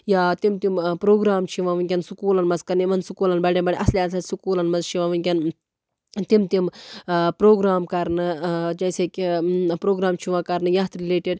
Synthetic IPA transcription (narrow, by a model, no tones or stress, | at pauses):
jaːt̪imt̪impɾoːɡɾaːmt͡ʃʰiʋãːʋɨnʲkʲɐnsukuːlɐnmɐzkɐɾnimɐnsukuːlɐnbɐɽebɐɽʲiʔɐsliaːsɐsukuːlɐnmɐzt͡ʃʰiʋãːʋɨnʲkʲɐn | t̪imt̪impɾoːɡɾaːmkɐɾnɨd͡ʒɐjsekʲipɾoːɡɾaːmt͡ʃʰiʋãːkɐɾnɨjɐːt̪ɾileːʈeɖ